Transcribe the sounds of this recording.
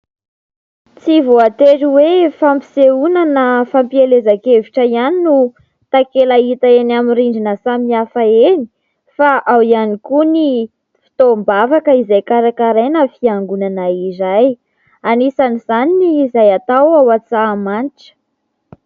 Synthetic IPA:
t͡sivoat̪eɾiwefampi̥seunanəfampielezakeviʈ͡ʂəianinu | t̪akelait̪aenamiriɳɖ͡ʐinəsamiafaeni̥ | faʔawianikuni | fi̥t̪ombavakəizajkaɾakaɾenəfiaŋɡunanaizaj | anisanizaniniːzajat̪awawat͡samaniʈ͡ʂə̥

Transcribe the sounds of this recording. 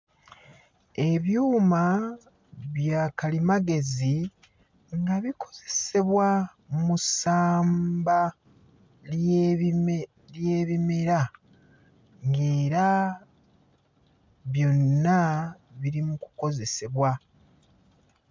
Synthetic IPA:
e̞βjuːma | βjaːkalimaɡe̞zi | ŋɡaβikʰo̞̥z̥e̞̥se̞βwa | musaːmba | l | lje̞ːβime̞ɾa | ŋɡe̞ːɾa | βjo̞nːa | βiɾimuku̥ko̞ze̞se̞βwa

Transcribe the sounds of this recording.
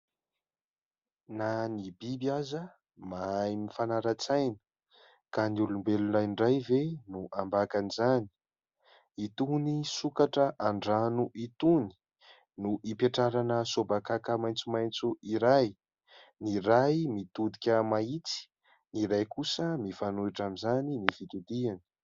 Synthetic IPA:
nanibibiazə | majmifanaɾat͡sajnə̥ | kaniulumbelunajɳɖ͡ʐajvenuʔambakanizani̥ | it̪unisukaʈ͡ʂəʔaɳɖ͡ʐanuʔit̪uni̥ | nuʔipeʈ͡ʂaɾanəsobakakamajnt͡sumajnt͡suiɾaj | niɾajmit̪ud̪ikʲəmait͡si̥ | niɾajkusəmifanuiʈ͡ʂamizaninivit̪ud̪iani̥

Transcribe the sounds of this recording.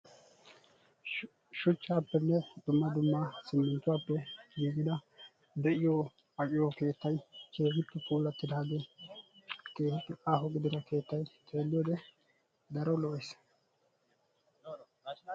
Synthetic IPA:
ʃʊt͡ʃːaːpːɛnːɛd̪ʊmːɐd̪ʊmːasɪmːɛnt̪ːʊwaːpːɛɡiːɡɪd̪ɐ | d̪ɛʔɪjo | ɐkʼɪjɔke̞ːt̪ːɐjt͡ʃe̞ːhɪt̪ːɪpuːlːɐt̪ːɪd̪aːɡe | keːhɪt̪ːɪʔaːɦɔɡɪd̪ɪd̪ɐke̞ːt̪ːɐjt̪ʰe̞ːlːɪjod̪ɛ | d̪ɐɾɔlɔʔɛs

